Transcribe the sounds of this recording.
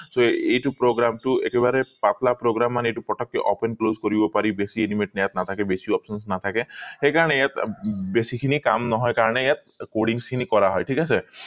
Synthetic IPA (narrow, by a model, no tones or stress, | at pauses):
soejʈupɾoɡɾamʈuekebaɾepat̪lapɾoɡɾamːanejʈupɔʈʰɔkːeʔɔpenklozkɔɾibɔpaɾibesienimeʈnejat̪nat̪ʰakebesiɔpsɔns̬nat̪ʰakexekaɾɔnejat̪besikʰinika̰mnɔɦɔjkaɾɔnejat̪̚ | koɽiŋskʰinikɔɾaɦɔjʈʰikase